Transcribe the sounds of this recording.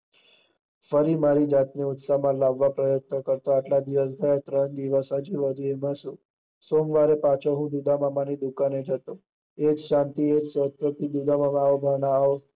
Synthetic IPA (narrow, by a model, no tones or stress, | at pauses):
fəɾimaɾid͡ʒat̪niʊt̪samãlaʋːapɾəjət̪̚nəkəɾt̪oaʈlad̪iʋəs̬ɡʱajat̪ɾəɳd̪iʋəsad͡ʒiʋəd̪ʱuemãʃũ | somʋaɾepat͡ʃʰoɦũd̪ud̪amamanid̪ukaned͡ʒʱət̪o | ed͡ʒʃant̪ied͡ʒsət̪ʋət̪ʰid̪ud̪amamaobʱaɳaːʋo